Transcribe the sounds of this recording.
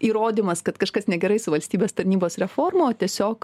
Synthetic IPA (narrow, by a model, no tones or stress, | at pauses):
iːɾoːd̪ʲimɐskɐt̪kɐʃkɐsnʲɛɡʲɛɾɐɪsʊʋɐlʲsʲt̪ʲiːbʲeːst̪ɐɾʲnʲiːboːsɾʲɛfoːrmooːt̪ʲiɛsʲoːk